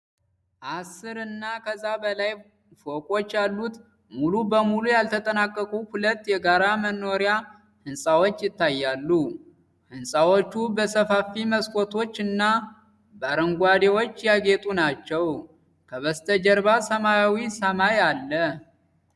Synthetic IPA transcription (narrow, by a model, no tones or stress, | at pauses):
ʔasɨɾɨnːakʰəzːabəlaj | fo̞kʼo̞t͡ʃːjalːut̪ | mulubəmulujalt̪ʰət̪ʼənakʼːəkʼuhulət̪ːjɛɡaɾamənːo̞ɾja | hɨnsʼawot͡ʃːjɪt̪ːajːalːu | hɨnsʼawot͡ʃːubəsəfafiməskʰʼo̞t̪ʰo̞t͡ʃːɨnːa | baɾəŋɡʷad̪ewo̞t͡ʃːjaɡet̪ʼunat͡ʃːɛw | kʰəβəst̪ʰəd͡ʒəɾbasəmajawisəmajalːə